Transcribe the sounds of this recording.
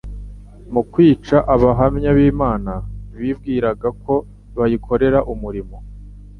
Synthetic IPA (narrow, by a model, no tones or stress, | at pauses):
mukwiːt͡ʃaʔaβaɦamɲaβiːmaːnaβiːβɡiːɾaɡako̞ | βajikʰo̞ɾe̞ɾaʔumuɾimo̞